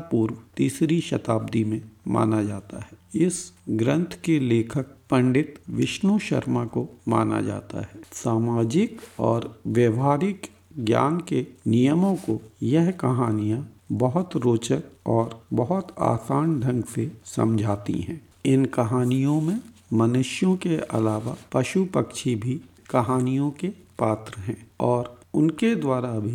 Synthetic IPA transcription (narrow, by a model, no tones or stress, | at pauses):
puːɾwt̪iːsɾiʃɐt̪aːb̚d̪imẽma̰ːnad͡ʒaːt̪a̰ɦɛɪsɡɾə̃nt̪ʰkeleːkʰək̚pɐ̃ɳɖɪt̪ʋɪʃnuʃɐ̰ɾmakoma̰ːna̰d͡ʒa̰ːt̪a̰ɦɛːsaːmaːd͡ʒɪkɔ̰ːɾʋjəʋɦaːɾɪk | ɡja̰ːnkenijəmõkojɛɦkɐɦaːnijã | bɐɦʊt̪ɾoːt͡ʃək̚ɔːɾbɐɦʊt̪a̰ːsaːɳɖʱɐ̃ŋɡsesɐ̰̃md͡ʒʱaːt̪ḭɦɛ̰̃ː | ɪnkɐɦaːnijõmẽmɐnʊʃjõkeɐ̰laːʋapɐʃupəkʃʰibʱi | kɐɦaːnijõkepaːt̪ɾəɦɛ̃ːɔːɾʊnked̪waːɾabʱi